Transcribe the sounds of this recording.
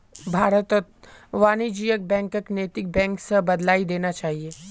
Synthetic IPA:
bʱaːɾət̪ɔt̪ʋaːnid͡ʒiːjək̚bɛ̃ːŋkəkneːt̪ɪk̚bɛ̃ːŋksebɐd̪laːid̪eːnat͡ʃaːɦieː

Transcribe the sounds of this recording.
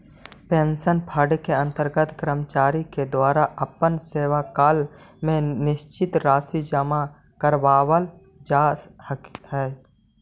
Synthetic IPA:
pẽnsənpʰaːɖkeə̃nt̪əɾɡət̪kɾəmt͡ʃaːɾiked̪waːɾaʔəpənseːʋakaːlmẽnɪʃt͡ʃɪt̪ɾaːsid͡ʒəma | kəɾʋaːwəl | d͡ʒaːhəkɦɛː

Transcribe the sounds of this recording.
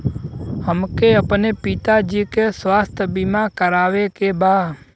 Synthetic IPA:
həmkeəpnepɪt̪ad͡ʒikesʋaːst̪ʰbɪmakəɾaːʋekebaː

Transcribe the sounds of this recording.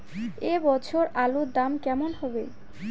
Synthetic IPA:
ebɔt͡ɕʰoɾalod̪amkɛmonɦɔbḛ

